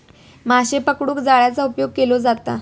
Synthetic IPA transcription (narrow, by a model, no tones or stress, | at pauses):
maɕepəkɽuːkd͡zaɭjat͡saupjoɡ̚kelod͡zat̪a̰